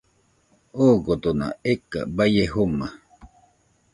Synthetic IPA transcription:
oːkot̪ona̰eka̰bajeɦuma

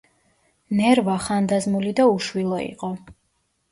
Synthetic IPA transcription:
nɛɾvaχand̪azmulid̪auʃwilˠɔḭqʼɔ

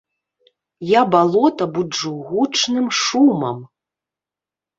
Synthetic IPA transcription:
jabalˠɔt̪ɐbud͡ʐuɣut͡ʂnɨmʂumɐm

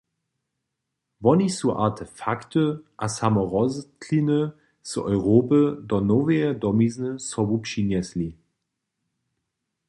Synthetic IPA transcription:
vɔnisuʔa̰ɐtʰəfaktəʔasamɔʁɔztʰlinə | z̥ɔʏʁoːpədɔnoveɐdɔmiznəsɔbupʃinjɛsli

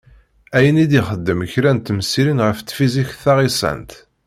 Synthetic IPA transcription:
æjənid̪iχəd̪ːəməçɾænt̪ːməsiɾinʁəft͡s̪ːfiziçθɑʁisˤæ̰nt̪

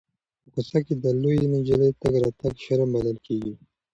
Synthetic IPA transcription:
pəkusaked̪əlojinid͡ʒəlet̪aɡɾɑt̪aɡʃaɾambaləlkeɡi

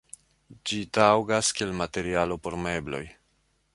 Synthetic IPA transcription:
d͡ʒitawɡaskielmate̞ɾialo̞po̞ɾme̞blo̞̰j

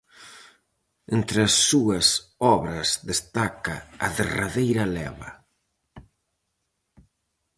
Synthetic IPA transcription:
ent̪ɾɐsːuɐsɔβɾɐsðest̪akɐ̰ɐðeraðejɾɐlɛ̰βɐ̰

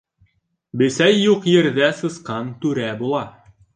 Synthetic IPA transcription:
bɘ̆sæjːuqjɘ̆ɾðæsɤ̆sqɑnt̪ʉɾæbulˠɑ

